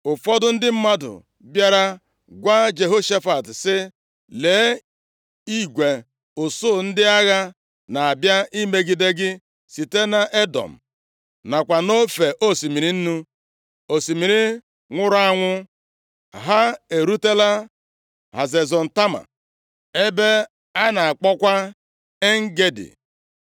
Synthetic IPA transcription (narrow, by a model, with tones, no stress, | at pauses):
ʊ˨fɔ˦dʊ˦n̩˦dɪ˦m̩˦ma˦dʊ̰˨ | bja˦ɾa˦ | ɡʷa˦d͡ʒe˨ɦo˦ʃa˦fa˨tsɪ˦ | le˨˦ | i˦ɡʷe˨ | o˨so˦˨n̩˦dɪ˦a˦ɣa˦ | na˨a˨bja˦ʔi˦me˦ɡi˨de˦ɡɪ˦ | si˨te˦na˨ʔe˦dɔ̰˨m̩˨ | na˨kʷa˨no˦fe˨ʔo˦si˨mi˨ɾi˦n̩˦nu˦ | o˨si˨mi˨ɾi˦ | ŋʷʊ˦ɾa˦ŋʷʊ˦ | ɦa˦e˨ɾu˦te˦la˦ | ɦa̰˨ze˨zɔ˨n̩˨ta˦ma̰˨ | e˦be˦ | a˦na˨a˨k͡pɔ˦kʷa˦ | e˦ŋ̩˦ɡe˦dɪ̰˨